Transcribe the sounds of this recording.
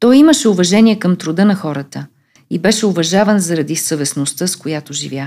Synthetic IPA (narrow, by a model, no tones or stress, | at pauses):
t̪ɔjiməʃɛʊvɐʒɛniɛkəmt̪ɾʊd̪ɤnɐxɔɾət̪ə | ibɛʃɛʊvɐʒavənzɐɾɐd̪isəvɛsnost̪əskojat̪oʒḭvʲja